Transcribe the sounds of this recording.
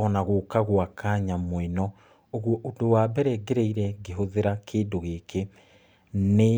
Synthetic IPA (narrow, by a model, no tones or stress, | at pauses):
ɔnaɣokaɣwakʰaːɲamoenɔ | oɣwɔʔodowabɛɾɛɡeɾeiɾɛɡeɦoðeɾakʰeːdoɣekʰe | ne